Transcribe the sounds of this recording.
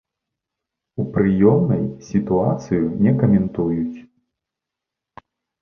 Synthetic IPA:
upɾɨjɔmnɐjsʲit̪uat̪sɨjunʲɛkɐmʲɛnt̪ujut͡sʲ

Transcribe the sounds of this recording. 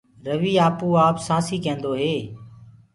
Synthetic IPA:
ɾəʋiːaːpuːaːpsãːsiːkẽːnd̪oːɦeː

